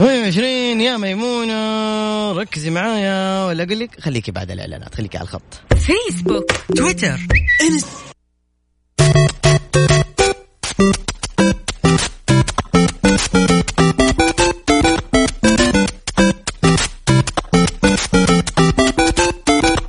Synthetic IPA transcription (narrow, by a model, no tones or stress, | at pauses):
weːʕɪʃ̬ɾiːnjamajmuːna | ɾˤɑkːɪzimaʕaːjawalːaɡʊlːɪkxalːiːkiba̰ʕd̪a̰lʔɪ̰ʕla̰ːna̰ːt̪xalːiːkʕalaxɑ̰t̪ˤːfeːsbʊkt̪wɪt̪əɾˤʔɪns